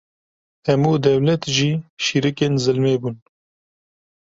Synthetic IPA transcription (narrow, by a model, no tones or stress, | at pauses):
hɛmuːd̪ɛwlɛt̪ʒiːʃiːɾɨkeːnzɨlmeːbuːn